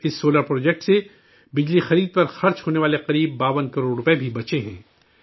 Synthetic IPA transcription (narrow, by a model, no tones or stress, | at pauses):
ɪsːoːləɾpɾoːd͡ʒɛːk̚ʈse | bɪd͡ʒlixɐɾiːd̪̚pɐɾxɐɾt͡ʃɦoːneʋaːleqɐɾiːbːaːʋənkɐɾoːɽɾʊpebʱibɐt͡ʃeɦɛ̰̃ː